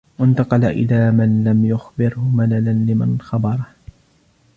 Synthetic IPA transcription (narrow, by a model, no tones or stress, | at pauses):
want̪ɑqɑlaʔɪ̰laːmanlamjʊxbɪɾhʊmalalanlɪmanxɑbɑɾˤɑh